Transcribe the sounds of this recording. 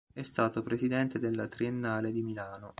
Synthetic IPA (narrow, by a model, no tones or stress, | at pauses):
ɛst̪aːt̪opɾesid̪ɛnt̪ed̪elːat̪ɾienːaːled̪imilaːno